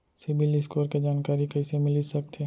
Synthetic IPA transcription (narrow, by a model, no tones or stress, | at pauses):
sɪbʱɪlɪskoːɾked͡ʒaːnkaːɾikɛːsemɪlisɐk̚t̪ʰe